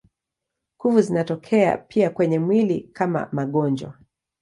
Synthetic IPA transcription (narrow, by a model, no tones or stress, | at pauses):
kuvuzinatɔkʰɛa̰pʰiakwɛɲɛmwilikʰama̰maɠɔnd͡ʒwa̰